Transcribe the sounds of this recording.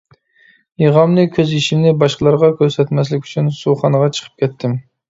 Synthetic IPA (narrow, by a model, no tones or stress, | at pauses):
jeʁɑmnɨkʲʰøziʃimnɪbɑʃqəlˠɑɾʁɑkʲʰøɾsɛt̪mɛs̬lɪkʲy̥t͡ʃʰynsuχɑnəʁɑt͡ʃʰə̥qʰə̥p̚kʲɛt̪ʰːɪm